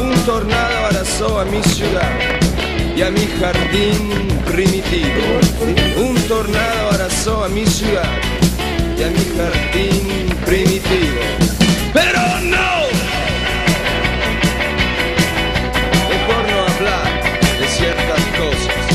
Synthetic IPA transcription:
unt̪oɾnaðoaɾasoamisjuðað | jamixaɾðimpɾimit̪iβoount̪oɾnaðoaɾasoamisjuðað | jamixaɾd̪in | pɾimit̪iβopeɾo | no | pepoɾnoaβlaɾd̪esjɛɾt̪askosas

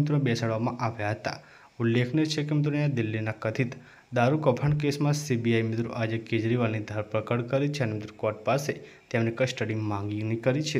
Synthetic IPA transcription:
ɪt̪ɾoebɛsaɽʋamãʔaʋjaɦət̪a̰ | ulːekʰnet͡ʃʰekemɪt̪ɾoneãd̪ɪlːinakət̪ʰit̪ | d̪aɾukəpʰaɳk̬esmãsibiajmɪt̪ɾo̰ʔad͡ʒeked͡ʒɾiʋalnid̪ʱaɾpɾəkəɽkəɾit͡ʃʰeənemɪt̪ɾukɔʈ̚paset̪jemnikəsʈəɽimãŋɡinikəɾit͡ʃʰe

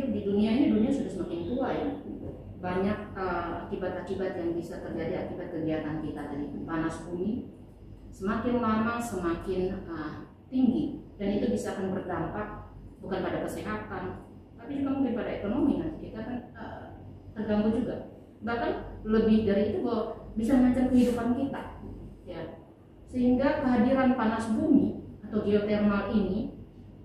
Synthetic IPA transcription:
diduniaɲaduniasudasəmakɪnt̪uaja | baɲak̚əakibat̪akibat̪jaŋbisat̪ərd͡ʒadiakibat̪̚kəɡiat̪ankit̪at̪anit̪umanasbuni | səmakɪnmanasəmakɪnə | t̪iŋɡidanit̪ubisaːkanbərdampak̚bukanpadakəsiɦat̪an | t̪apid͡ʒuɡamukɪnpadaekonominant̪ikit̪aːkanə | t̪ərɡaŋbud͡ʒuɡa | bahkanləbɪhdaɾiːt̪ubawabisamlaɲt͡ʃarkəɦidupankit̪aja | səhiŋɡakəɦadiɾanpanasbumiat̪awɡiot̪ɛrmalini

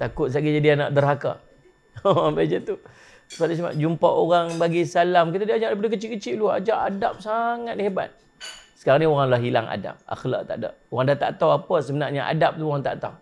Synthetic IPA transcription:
t̪akʊt̪̚saɡid͡ʒadiana̰ʔdərɦaka̰ | obad͡ʒət̪u | sadasama̰ʔd͡ʒumpaʔoɣaŋbaɡisalamkit̪adiaɲaʔdapadəkət͡ʃikət͡ʃɪʔlua̰d͡ʒaʔadap̚saŋat̪̚heba̰t̪̚ | sə̥kaɾaŋnioɣaŋlaɦilaŋa̰da̰p̚a̰xla̰ʔt̪a̰ʔda̰p̚oɣaŋdat̪a̰ʔt̪awapəsəmənaʔɲaʔa̰dap̚t̪uoɣaŋt̪a̰ʔt̪a̰w

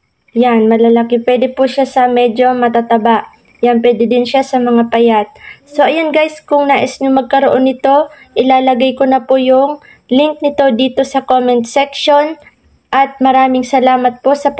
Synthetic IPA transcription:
janmɐlalɐkɪpwɛd̪ɛpuʃasɐmɛd͡ʒo̞mɐt̪at̪ɐbaʔ | janpwɛːd̪ɛd̪ɪnʃasɐmɐŋapɐjat̪̚so̞ʔɐjanɡajskʊŋnaːʔɪsɲʊŋmɐɡ̚kɐɾoʔo̞nɪt̪o̞ | ʔɪlaːlɐɡajkonɐpʊjʊŋ | lɪŋk̚nɪt̪o̞d̪iːt̪o̞sɐkomɛnt̪sɛkʃo̞n | ʔɐt̪̚mɐɾaːmɪŋsɐlaːmɐt̪̚po̞sɐ

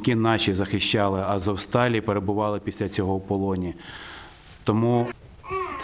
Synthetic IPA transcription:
kʲinɑʃʲizɐxɪʃt͡ʃɑlˠɪɐzɔwst̪ɑlʲipeɾebʊʋɑlˠɪpʲisʲlʲɐt͡sʲɔɦɔwpɔlˠɔnʲi | t̪ɔmu

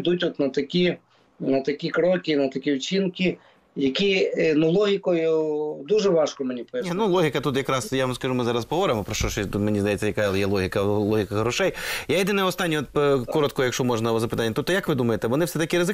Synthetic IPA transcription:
d̪utʲɔt̪nɐt̪ɐkʲi | nɐt̪ɐkʲikɾɔkʲinɐt̪ɐkʲiwt͡ʃʲinkʲi | jɐkʲinɐlˠɔɦʲɪkɔjʊd̪uʒɛʋɑʃkɔmenʲipninulˠɔɦʲɪkɐt̪ut̪jɐkɾɑsjaʋɐmskɐʒumɪzɑɾɐspɔɦʋɔɾɪmɔpɾɔʃt͡ʃɔʃt̪ut̪menʲizd̪ɐjɛt͡sʲːɐjɐkaɐlˠɪjɛlˠɔɦʲɪkɐlˠɔɦʲɪkɐɦɾɔʃɛjjaid̪ɪnojɔst̪ɑnʲːiɔt̪̚kɔɾɔt̪̚kɔjɐkʃt͡ʃɔmɔʒnɐʋɐzɐpɪt̪ɑnʲːɐt̪ut̪ːɔjɐkʋɪd̪umɐjet̪ɛʋɔnɪfsɛt̪ɐkʲiɾɪzɪ

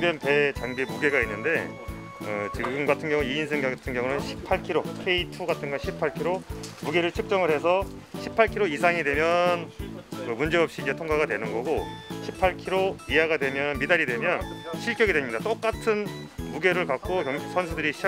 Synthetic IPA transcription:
denpe̞t͡ɕaŋɡemuɡe̞ɡainːɯnde̞ | ʌt͡ɕiɡɯmɡatʰɯnɡjʌŋuiinsʰeŋɡatʰɯnɡjʌŋunɯnɕʰi̥pʰaɭkʰiɾokʰe̞itʰuɡatʰɯnɡʌɕʰipʰaɭkʰiɾomuɡe̞ɾɯɭt͡ɕʰɯk̚t͡ɕ͈ʌŋɯɭhe̞sʰʌ | ɕʰipʰaɭkʰiɾoisʰaŋidwe̞mjʌnkɯmund͡ʑe̞ʌp̚ɕ͈iːd͡ʑe̞tʰoŋɡaɣadwe̞nɯnɡʌɡoɕʰipʰaɭkʰiɾoiaɡadwe̞mjʌnmidaɾidwemjʌnɕʰiɭkʰjʌɡedweɲidat͈ok͈atʰɯnmuɡe̞ɾɯɭkak̚k͈okjʌŋsʰʌnsʰudɯɾiɕʰi

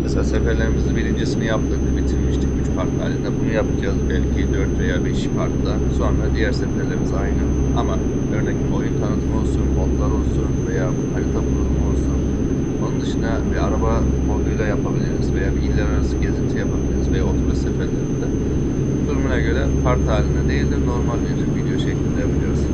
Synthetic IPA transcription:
meselʲaːsefæɾlʲe̞ɾimizibilʲind͡ʒesinijapt̪ɯk̚d̪ʲibit̪ʰiɾmiʃt̪ʰiɟyt͡ʃpʰaɾk̪lˠa̰lʲːind̪ɛbunujapʰad͡ʒazbælʲcʰid̪ø̞ɾt̪ve̞jaːbɛʃi̥pʰaɾk̪lˠa | so̞nad̪ijæɾsefæɾlʲeɾimizajnɯ | ama | ø̞ɾnɛclʲio̞jynt̪k̪ʰanɯt̪ʰɯmo̞lˠsunbo̞t̪lˠaɾo̞lˠsunve̞jaː | havʲit̪ʰaplˠɯmo̞lˠsun | o̞nund̪ɯʃɯnd̪abiaɾabamod̪ˠujlˠajapʰabilʲiɾɯz̥ve̞jaːbiilʲːæɾaɾasɯɟe̞zint̪ʰijapʰabilʲiɾuzve̞jaot̪ʰoɾasefelʲed̪ɛ | d̪̥uɾumunaɟø̞ɾɛpʰaɾt̪haːlʲːind̪ɛd̪e̞jilʲd̪ʲiɾno̞ɾmalʲbiɾvid̪ejo̞ʃeclʲild̪ʲejabilʲijo̞ɾuz

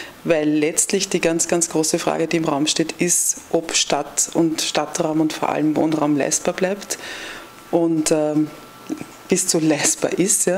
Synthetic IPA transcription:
væɪlːɛt͡stlɪçd̥iːɡant͡sɡ̥ant͡sɡ̥ʁoːsəfʁ̥a̰ːɡədiːɪmʁaʊmʃteːtɪstʔɔpʃtatʊntʃtatʁ̥aʊmʊntfoɐʔa̰ləmvo̰ːnʁaʊmlæ̰ɪsb̥aːɐb̥laɪpt | ʔʊntɛː | b̥ɪst͡sulɛɪsb̥a̰ɐʔɪstjaː

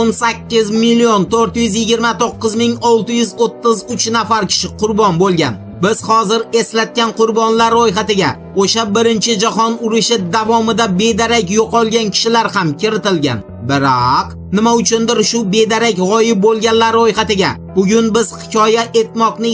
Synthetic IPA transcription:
onsakʲʰːɪzmilːijont̪ʰoɾt̪ɪjʏzjɪɡʲɪɾmat̪oqːɨzmɪŋɒlˠt̪ɪjʊzot̪ʰːɪzʊt͡ʃʰnafaɾkʲʰɪ̥ʃɪqʰʊɾbɒnbolˠɡʲan | bɪz̥hɒzɪɾe̞slat̪̚kʲanqʰʊɾbɒnlaɾojɦat̪ɪɡʲa | oʃabɪɾɪnt͡ʃʰɪd͡ʒahɒnʊɾɪʃɪd̪avɒmɪd̪abe̞d̪aɾakʲjoqɒlˠɡʲankʲʰɪ̥ʃɪlaɾhamkʲɪɾɪt̪ɪlɡʲa̰n | bɪɾaq | nɪmaʊt͡ʃʰʊnd̪ɪɾʃʊbe̞d̪aɾakʲʁɒjɪp̚bolˠɡʲanlaɾojhat̪ɪɡʲa | bʊɡʲʊnbɪz̥hɪ̥kʲʰɒjaʔe̞t̪mɒqnɪ

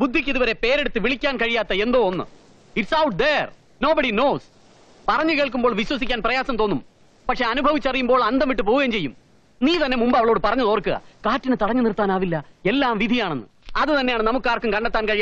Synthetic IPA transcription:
bud̪ʱːikʲːiðuʋɐɾe̞pe̞ːɾeɽut̪ːɨʋiɭikʲːaːnkɐɻijaːt̪ːɐe̞nd̪o̞ːonːɨ̰ | iʈsɐwʈ̚d̪er | no̞ːbɐɽino̞ːs | pɐrɐɲːukeːɭk̬umbo̞ːɭʋiɕwɐsikʲːaːnprɐjaːsɐmt̪onːum | pɐkʂe̞ɐnubʱɐʋit͡ɕːɐrijumboːɭɐnd̪ɐmʋiʈːɨp̬oːɣeːmt͡ɕe̞jːum | niːt̪ɐnːe̞mumbɨɐʋɐɭoːɽɨpɐrɐɲːɐðoːrkːɨɣɐ̰kaːtːinɨt̪ɐɽɐɲːɨnirt̪ːaːnaːʋilːɐe̞lːaːmʋid̪ʱijaːɳenːɨ̰ | ɐðɨt̪ɐnːejaːɳɨnɐmukːaːrkːumkɐɳɖet̪ːaːnkɐɻija

